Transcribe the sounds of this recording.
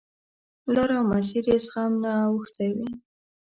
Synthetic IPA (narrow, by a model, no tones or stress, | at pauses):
loɾawmas̬iɾesxamnaːwəxt̪awi